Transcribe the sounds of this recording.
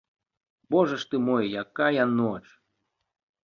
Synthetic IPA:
bɔʐɐʂt̪ɨmojjakajanɔt͡ʃ

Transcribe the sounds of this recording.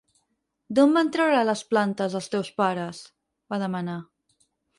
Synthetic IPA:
d̪ombant̪ɾəwɾaləsplant̪əzəlˠst̪ɛwspaɾəs | baðəməna

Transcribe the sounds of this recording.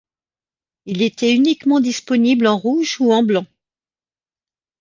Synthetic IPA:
ilet̪ɛynikmɑ̃d̪ispɔniblɑ̃ʁuʒuɑ̃blɑ̃

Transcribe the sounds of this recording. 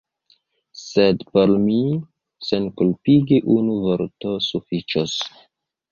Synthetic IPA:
se̞dpo̞lmi | se̞nkulpiɡiʔunuvoɾto̞sufit͡ʃos

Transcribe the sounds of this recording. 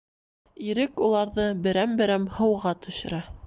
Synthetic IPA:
iɾɘkulˠɑɾðɤbɘ̆ɾæmbɘ̆ɾæmhɤ̆wʁɑt̪ɵ̆ʃɘ̆ɾæ

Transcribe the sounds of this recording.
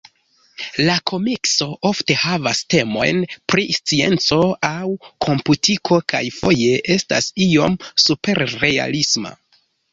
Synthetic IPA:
lakʰo̞mikso̞ʔo̞fte̞havaste̞mo̞̰jnpɾist͡sie̞̰nt͡so̞awkʰo̞mputikʰo̞kajfo̞je̞ʔe̞sta̰sio̞msupe̞ɾːea̰lisma̰

